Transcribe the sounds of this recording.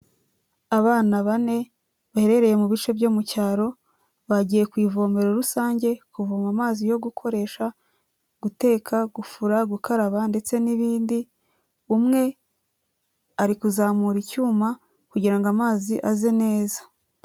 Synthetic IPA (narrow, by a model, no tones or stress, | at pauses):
aβaːnaβane̞ | βahe̞ɾe̞ɾe̞je̞muβit͡ʃe̞bjo̞ːmucaːɾo̞ | βaɟiːje̞kwiːvo̞ːme̞ɾoɾusaːɲɟe̞kuvomamaːzijo̞ɡukʰo̞ɾe̞ːʃa | ɡ̥ute̞ːkʰaɡufuɾaɡukaɾaβande̞t͡se̞niβiːndi | umŋe̞ | aɾikuzaːmuɾicuːma | kuɟiɾaŋɡamaːziʔazene̞ːzḁ